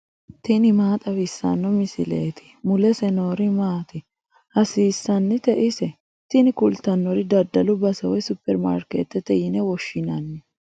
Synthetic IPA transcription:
t̪ɪnɪmaːt̪ʼɐwɪsːɐ̰nːɔmɪsɪ̰lḛːt̪ʰɪ̥mʊlɛsɛnoːɾɪmaːt̪ɪ | hɐsiːsːɐnːɪt̪ɛʔɪsɛ | t̪ɪnɪkʊlt̪ɐnːɔɾɪd̪ɐd̪ːɐlʊbɐsɐwɔjsʊpːɛɾma̰ːɾkḛːt̪ːɛt̪ːɛjɪnɛwɔʃːɪnɐnːɛ

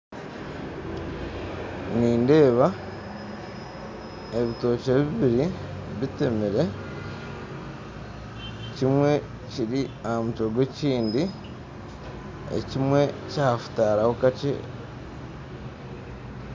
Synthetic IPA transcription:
niːnde̞ːβa | e̞βito̞ːʃeβiβiɾi | βitemiɾe̞ | cimwe̞ | ciɾiahamutoɡwe̞ciːndi | ḛcimwe̞cahafu̥taːɾaho̞kat͡ʃḛ

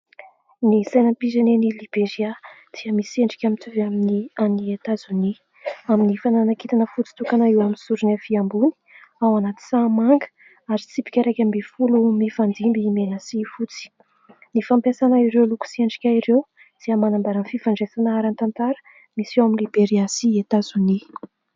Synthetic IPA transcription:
nisajnampizanenilib̥eɾiad̪̥iəmiseɳɖ͡ʐi̥kʲamit̪uvaminianiat̪azuni | aminifananakit̪anəfut͡si̥t̪ukanaiwaminsuɾunafiambuni̥awanat̪i̥samaŋɡə̥ | aɾit͡sipi̥kʲaɾajkʲambefulumifand̪imbiːmeɾasifut͡si̥ | nifampasanaiɾewluku̥sieɳɖ͡ʐi̥kʲaiɾew | d̪̥iəmanambaɾanfivaɳɖ͡ʐesanaaɾant̪ant̪aɾə̥ | misewaminlibeɾiasiet̪azuni

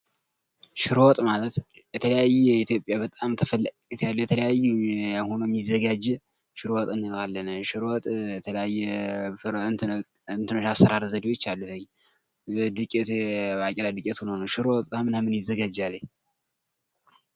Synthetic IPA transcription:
ʃɪɾwɔt̪ʼmalət̪jɛt̪ʰələjajːɛjɛit̪jo̞pʼjabət̪ʼamt̪ʰəfəlː | t̪ʰjalːəwjɛt̪ʰələjajːuho̞nomjizːəɡad͡ʒːɛ | ʃɨɾwɔt̪ʼɨnːɨnoalːənəʃɪɾwɔt̪ʼɛt̪ʰələjajːɛɾ | ɨnt̪ʰɨnoʃasːəɾaɾzəd̪iwot͡ʃːalːut̪əɲ | d̪ɨkʼɛt̪akʼɛlad̪ɨkʼɛt̪hnhonowʃɨɾwɔt̪ʼʰamɨnhamːɨnjɪzːəɡad͡ʒalːəɲ

